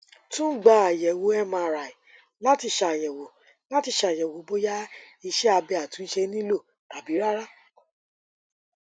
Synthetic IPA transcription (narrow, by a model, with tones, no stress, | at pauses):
tũ˦ɡ͡ba˧˨a˨jɛ˨wo˨˦ɛ˦mãː˧˨ɾa˨i˨ | la˨˦ti˧ʃa˧a˨jɛ˨wo˨˦ | la˦ti˧ʃa˧˨jɛ˨wo˨˦bo˦ja˦ | i˧ʃɛ˦a˧bɛ˧a˨tũ˨˦n̩˦ʃɛ˧nĩ˦lo˦˨ | ta˨bi˨˦ɾa˦ɾa˦